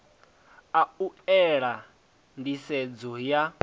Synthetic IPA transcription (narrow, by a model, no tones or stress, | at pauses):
auɛɺa | ndisɛd͡zɔja